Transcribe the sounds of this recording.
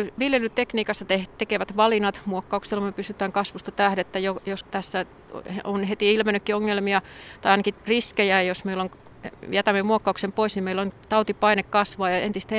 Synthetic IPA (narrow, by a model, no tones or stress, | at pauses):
yʋiljelyt̪ekniːkɑst̪ɑt̪eht̪ekeʋæt̪ʋɑlinɑt̪muokːɑukselːɑmyøpysyt̪ˑæːŋkɑsʋust̪ɑt̪æːhɾet̪ːæjojost̪æsːæ | onhet̪iilmenːykːioŋːelmiɑt̪ɑjɑˑinɑkiriskejæjosmeilːoŋ | jæt̪æmːemuokːɑuksempoisnimeilont̪ɑut̪ipɑinekkːɑsʋɑːjɑent̪ist̪æ